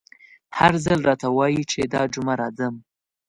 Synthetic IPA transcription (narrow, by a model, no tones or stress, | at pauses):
haɾzalɾɑt̪awɑjit͡ʃed̪ɑd͡ʒʊmaɾɑd̪əm